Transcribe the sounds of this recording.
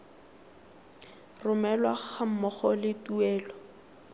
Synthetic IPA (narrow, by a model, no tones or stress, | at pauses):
rʊmɛlwaχam̩mɔχɔlɪtuɛːlɔ